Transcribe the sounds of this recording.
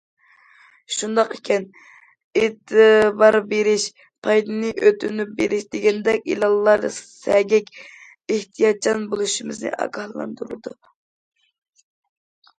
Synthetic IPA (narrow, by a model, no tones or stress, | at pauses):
ʃund̪ɑqekʲʰɛn | et̪ʰɨbɑɾbeɾɪʃ | pʰɑjd̪ɨnɨʔøt̪ʰynyp̚beɾɪʃd̪eɡʲɛnd̪ɛkʲḭlˠɑlˠːɑɾd̪ɨssɛɡʲɛkʲ | eht̪ʰijɑt̪̚t͡ʃʰɑnbolˠuʃimɨznɨ̰ʔɑ̰ɡɑhlˠɑ̰nd̪uɾɨd̪u